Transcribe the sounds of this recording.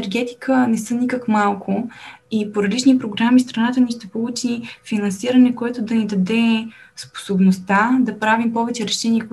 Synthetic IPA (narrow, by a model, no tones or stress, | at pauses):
ɛɾɡɛt̪i̥kʰənɛsənʲikəkmalˠkʰʊ | ipoɾɐlit͡ʃnipɾoɡɾamist̪ɾɐnat̪əniʃt̪ɛpolˠut͡ʃifinɐnsiɾɐnɛkoɛt̪ʊd̪ɐnid̪ɐd̪ɛ | spo̥sobnost̪ad̪ɐpɾavimpɔvɛt͡ʃɛɾɛʃɛniək